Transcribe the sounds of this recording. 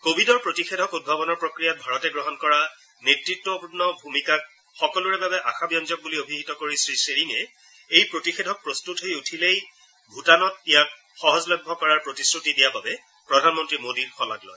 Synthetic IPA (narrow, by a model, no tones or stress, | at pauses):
kobʱidɔɹpɹotixedʱɔkud̚bʱabɔnɔɹpɹokɹijat̚bʱaɹɔtɛɡɹɔɦɔnkɔɹa | netɹitːwɔbubnɔbʱumikak̚ | xɔkɔluɹɛbabɛʔaxabijɔnzɔk̚buliobʱiɦitɔkoɹisɹiseɹiŋɛ | ejpɹotixedʱɔk̚pɹostutɦojutʰilej | bʱutanɔt̚ijak | xɔɦɔzlɔjbʱɔkɔɹaɹpɹotisɹutidijababɛ | pɹɔdʱanmɔntɹimodiɹxɔla̰klɔ̰j